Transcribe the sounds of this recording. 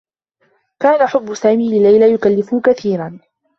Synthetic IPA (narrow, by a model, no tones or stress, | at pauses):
kaːnaħʊbːʊsaːmiːlɪlajlajʊkalːɪfʊhkaθiːɾan